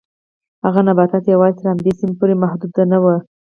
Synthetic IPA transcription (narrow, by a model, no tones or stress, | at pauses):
haɣanabɑt̪at̪jawɑzet̪əɾhamd̪esinpoɾemahd̪ud̪ːanawə